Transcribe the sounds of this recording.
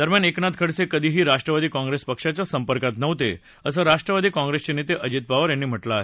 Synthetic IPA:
d̪əɾmjaneknat̪̚kʰəɽsekəd̪ʱiːɦiːɾaʂʈɾəʋad̪iːkɔ̃ŋɡɾespəkʂat͡ɕjasəmpəɾkat̪nəʋt̪e | əsəɾaʂʈɾəʋad̪iːkɔ̃ŋɡɾest͡ɕenit̪eʔəd͡ʑit̪̚baʋəɾɛnːim̤əʈlaɦe

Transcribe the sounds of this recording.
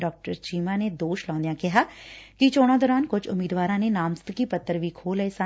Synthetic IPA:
ɖɔːk̚ʈəɾt͡ʃiːmãːneːd̪oːʃlɔ̃ːnd̪jãːkɪɦaːkɪt͡ʃoːɽ̃ãːd̪ɔːɾaːnkʊd͡ʒʊmiːd̪ʋaːɾãːneːnaːmst̪əkiːpət̪ːəɾʋiːkʰoːləeːsa

